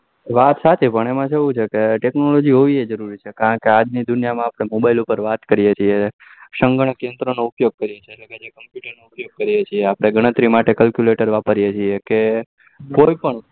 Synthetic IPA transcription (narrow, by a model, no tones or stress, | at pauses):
ʋat̪sat̪ʰepəɳemãt͡ʃʰeʋũt͡ʃʰekeʈeknolod͡ʒiɦoʋied͡ʒəɾuɾit͡ʃʰekaɾə̃ɳkead͡ʒnid̪ʊnijamãapɽ̃emobailupəɾʋat̪kəɾijet͡ʃʰie | ʃəŋɡəɳ̃əkẽnd̪ɾonoupjoɡ̚kəɾijet͡ʃʰelleked͡ʒekəmpjuʈəɾnoupjoɡ̚kəɾijet͡ʃʰieapɽ̃eɡəɽ̃ət̪ɾimaʈekəlkjuleʈəɾʋapəɾijet͡ʃʰieke | koipəɳ